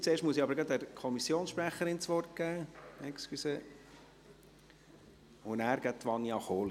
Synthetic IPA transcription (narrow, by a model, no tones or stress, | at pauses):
t͡seːɾʃtmuəsiɑbəɾɡɑd̪æɾkʰɔmisːjoːnsʃpɾæχːəɾɪnt͡sʋɔrt̚ɡ̥æːɛkskysə | ʊnæːɾɡ̥æt̪ʋɑnːjɑχoːli